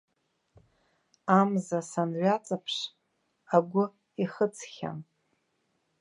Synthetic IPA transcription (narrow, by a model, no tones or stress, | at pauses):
amzasanɥʷat͡sʼapʰʂ | aɡʷʊ | iχət͡sʰχʲa̰m